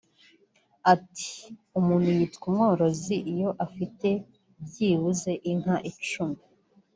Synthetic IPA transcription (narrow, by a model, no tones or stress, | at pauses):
atʰi̥umuːn̥hujitkumŋo̞ːɾo̞ziʔijo̞ʔafite̞ | bjiːwuze̞ʔiŋhaʔit͡ʃumi